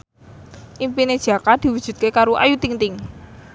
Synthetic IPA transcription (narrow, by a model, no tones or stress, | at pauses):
ʔimpined̥ʒ̥a̤kad̪̥i̤wud̥ʒ̥ṳt̪̚kekaɾuʔa̰jut̪iŋt̪ɪŋ